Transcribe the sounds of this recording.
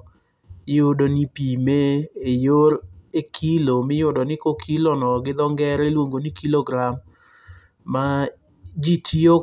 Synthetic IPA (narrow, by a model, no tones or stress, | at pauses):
jʊdonipimeejoɾekʰilomɪjʊdɔnɪkokʰilɔnɔɡɪd̪ɔŋɡɛɾelwoŋɡonikiloɡɾamː | a | d͡ʒitʰio